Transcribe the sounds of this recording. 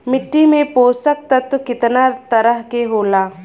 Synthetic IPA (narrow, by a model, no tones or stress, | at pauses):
mɪʈːimẽpoːsək̚t̪ɐt̪kɪt̪nat̪ɐɾəɦkeɦoːlaː